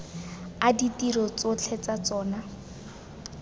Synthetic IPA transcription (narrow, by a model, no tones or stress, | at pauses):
aditirɔt͡sot͡ɬʰɛt͡sat͡sɔːna